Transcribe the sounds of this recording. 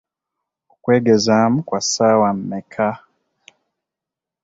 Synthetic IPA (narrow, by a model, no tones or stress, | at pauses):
kwɛɡɛzam̩kwasawam̩ːɛkʰa